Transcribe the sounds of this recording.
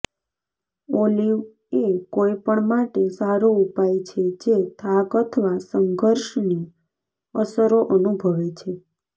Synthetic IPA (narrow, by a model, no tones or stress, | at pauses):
oliʋ | ekojpəɳmaʈesaɾoupajt͡ʃʰed͡ʒet̪ʰakət̪ʰʋasəŋɡʱəɾʃni | əsəɾoʔənubʱəʋet͡ʃʰe